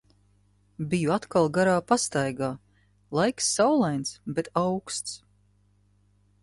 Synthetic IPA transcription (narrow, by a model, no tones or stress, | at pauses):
bijuat̪kalˠɡaɾaːpast̪ajɡaː | lˠajksːawlˠajnt̪sbet̪awkst̪s